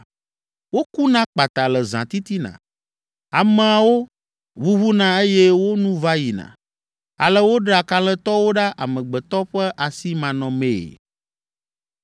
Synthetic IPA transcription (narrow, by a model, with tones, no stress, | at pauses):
wo˦ku˦nã˦k͡pa˨t̪a˨lə˨zã̰˨t̪i˦t̪i˦nã̰˨ | a˨mɛ̃˨a˨wo˦ | βu˦βu˦nã˦e˦jɛ˦wo˦nũ˦va˦ji˨nã̰˨ | a̰˨lə˦wo˦ɖa˨ka˦lɛ˦t̪ɔ˦wo˦ɖa˦ʔa̰˨mɛ̃˨ɡ͡bɛ˨t̪ɔ˦ɸɛ˦ʔa˨si˦mã˨nɔ̃˨mẽ˨ḛ˨